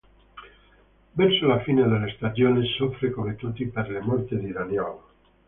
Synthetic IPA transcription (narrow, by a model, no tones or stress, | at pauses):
bɛɾsolafined̪elest̪ad͡ʒjonesofɾekomet̪ut̪ipeɾlemɔɾt̪ed̪id̪anjɔla